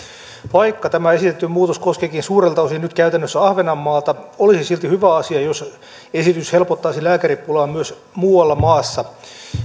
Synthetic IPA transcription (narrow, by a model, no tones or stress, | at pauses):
ʋɑikːɑt̪æmæesit̪et̪ːymmuːt̪oskoskekinsuːrelt̪ɑosinyt̪kæyt̪ænːøsːæɑhʋenɑmːɑːlt̪ɑolisisilt̪ihyʋæɑsiɑjos | esit̪yshe̞lpot̪ːɑisilæːkæɾipːulɑːmmyøs | muːwɑlːɑmɑːsːɑ